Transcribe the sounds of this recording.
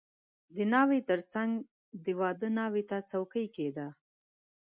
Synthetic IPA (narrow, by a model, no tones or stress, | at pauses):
d̪ənɑwet̪əɾt͡saŋɡ | d̪əwɑd̪ənɑwet̪at͡sawkəjked̪a